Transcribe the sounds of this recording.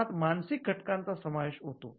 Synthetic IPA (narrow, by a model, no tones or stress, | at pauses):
at̪mansik̚ɡʱəʈkãnt͡sasəmaʋeɕɦot̪o̰